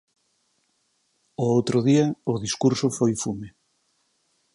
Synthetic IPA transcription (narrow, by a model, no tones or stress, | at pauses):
oowt̪ɾoðiaoðiskuɾsofojfume